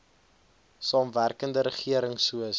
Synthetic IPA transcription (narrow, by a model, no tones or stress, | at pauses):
sɑːmværkəndəɾəχiəɾəŋsuəs